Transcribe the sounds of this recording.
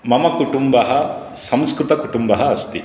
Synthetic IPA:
mɐmɐkuʈumbɐɦɐ | sɐmskɾɪt̪ɐkuʈumbɐɦɐɐst̪i

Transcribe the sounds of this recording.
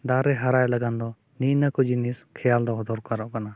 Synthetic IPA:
d̪aɾɛɦaɾajlaɡand̪ɔ | niʔnəkɔd͡ʒiniskʰɛjald̪ɔɦɔd̪ɔɾkaɾɔʔkana

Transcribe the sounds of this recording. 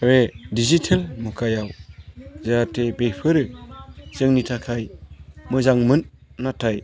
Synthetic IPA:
ɾedizitʰelmukʰajawzaatʰebepʰɯɾɯzɯŋnitʰakʰajmɯzaŋmɯnːatʰaj

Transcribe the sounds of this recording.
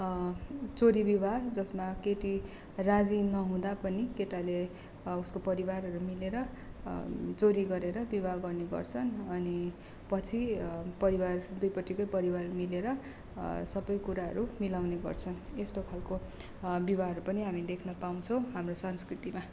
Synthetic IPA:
t͡soɾibibʱad͡zʌsmakeʈi | rad͡zinʌɦũd̪apʌnikeʈale | uskopʌɾibarɦʌɾumileɾʌ | t͡soɾiɡʌɾeɾʌbibʱaɡʌrneɡʌ̰rt͡sʰʌnʌni | pʌt͡sʰipʌɾiward̪ujpʌʈːikʌjpʌɾiwarʌumileɾʌ | sʌbʌjkuɾaɦʌ̰ɾumilawneɡʌ̰rt͡sʰʌnest̪okʰalko | bibʱaɦʌɾupʌniɦamid̪ekʰnʌpaw̃t͡sʰʌ̃w̃ɦamrosʌnskrit̪ima

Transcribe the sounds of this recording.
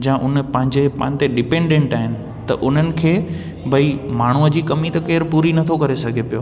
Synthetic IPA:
d͡ʑãːʔʊnpɐ̃ɦɪ̃ɲd͡ʑepɐ̃ɦɪ̃nt̪eɖɪpẽːɳɖẽːɳʈaːɦɪnɪ̆ | t̪ɐʔʊn̤ənɪ̆kʰeː | bʱɐimaːɳ̤uəd͡ʑiːkɐmit̪ɐkeːɾpuːɾinɐt̪ʰokɐɾesɐɡʱepijo̰ː

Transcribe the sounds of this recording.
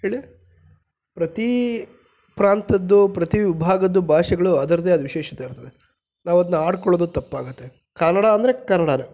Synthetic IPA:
ɦeːɭi | pɾɐt̪i | pɾaːnt̪ɐd̪ːupɾɐt̪iʋʋibʱaːɡɐd̪ːubʱaːʃɐɡɐɭuɐd̪ɐɾɐd̪eːɐd̪uʋiʃɛːʃɐ̥t̪eiɾt̪ɐd̪e | naːʋuɐd̪ɐnːuaːɽkɔɭod̪ut̪ɐpːaːɡut̪ːe̞ | kɐnɐɽaɐnd̪ɐɾe̞kɐnɐɽaːne

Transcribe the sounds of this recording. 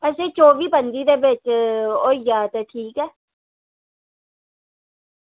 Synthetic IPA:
ɛsẽːt͡ʃoːʋiːpənd̪iːd̪eːbɪt͡ʃoːijaːt̪eːʈʰiːkɛː

